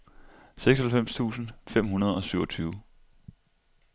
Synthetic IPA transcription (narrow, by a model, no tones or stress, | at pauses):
seɡ̥sɒhælfem̰st͡sʰṵːsn̩fem̰ɦunɐð̞ˠɒ̽syʊɒ̽t͡sʰyːʊ